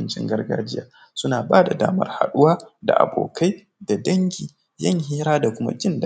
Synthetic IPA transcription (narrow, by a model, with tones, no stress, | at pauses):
nt͡ʃɪ̰˦ŋɡɐ˦rɡa̰ː˦d͡ʒɪ˦jaː˨ | sʊ˦naː˨baː˦da˨da̰ː˦mɐ̰˦rha˨ɗʊ˦waː˦da̰˨ʔa̰˨bo̰ː˨ka˦j | d̥a˨dɐ˦ŋɡʲiː˨ | jɐ˦˨ŋhiː˦ɾaː˦da˨kʷʊ˦ma̰˦d͡ʒɪ˦nd